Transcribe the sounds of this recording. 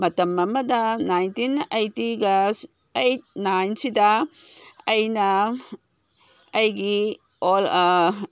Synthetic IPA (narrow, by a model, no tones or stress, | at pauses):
mɐtɐmɐmɐdɐnajntinajtiɡɐ | ej̚najnsidɐ | ɐjnɐ | ɐjɡi | ol